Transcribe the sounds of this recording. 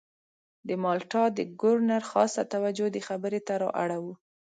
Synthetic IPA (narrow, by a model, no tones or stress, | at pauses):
d̪əmɑlʈɑd̪əɡʊɾnaɾxɑst̪at̪awad͡ʒod̪əxabəɾet̪aɾɑ̰ʔaɽawu